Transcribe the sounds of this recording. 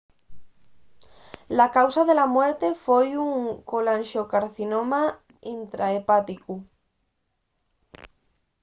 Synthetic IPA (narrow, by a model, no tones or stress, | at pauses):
lakawsaðe̞lamwe̞ɾt̪e̞fojuŋkolãnʃokaɾθinoma | int̪ɾaepat̪iku